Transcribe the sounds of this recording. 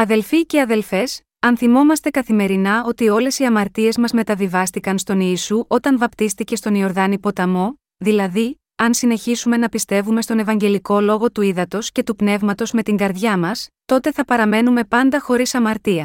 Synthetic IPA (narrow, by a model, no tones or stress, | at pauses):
ɐðe̞lfice̞ɐðe̞lfe̞s | ɐnθimo̞mɐst̪e̞kɐθime̞ɾinɐo̞t̪io̞le̞siɐmɐɾt̪ie̞zmɐzme̞t̪ɐvivɐst̪ikɐnst̪o̞niːsuʔo̞t̪ɐnvɐpt̪ist̪ice̞st̪o̞nio̞ɾðɐnipo̞t̪ɐmo̞ | ðilɐði | ɐnsine̞çisume̞nɐpist̪e̞vume̞st̪o̞ne̞vɐɲɟe̞liko̞lo̞ɣo̞t̪uiðɐt̪o̞sce̞t̪upne̞vmɐt̪o̞zme̞t̪iŋɡɐɾðʝɐmɐst̪o̞t̪e̞θɐpɐɾɐme̞nume̞pɐnd̪ɐxo̞ɾisɐmɐɾt̪iɐ